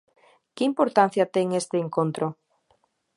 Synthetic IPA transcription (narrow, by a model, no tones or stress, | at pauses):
kɪimpoɾt̪an̟θjat̪eŋest̪eːŋkont̪ɾo